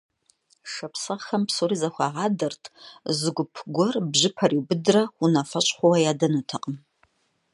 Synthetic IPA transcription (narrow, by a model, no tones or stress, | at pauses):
ʂapʰsaχɐmpʰsoɾizaχʷaʁadɨrtʼzɡʷʊpʰɡʷɔrbʒʷɪpʰariwbɨdraχʷunafat͡ʃʷʼχʷawajadanatʰaqʼəm